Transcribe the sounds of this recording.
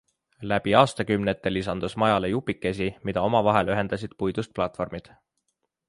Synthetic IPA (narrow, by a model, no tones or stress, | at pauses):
læb̥iɑːst̪ɑkymnet̪ːˑe̞lisɑnd̪̥usmɑjɑle̞jupːˑikːe̞s̬imid̪̥ɑo̞mɑvɑɦe̞lyɦe̞nd̪ɑs̬id̪̥pujd̪̥ust̪̚plɑt̪ːˑfo̞rmid̪̥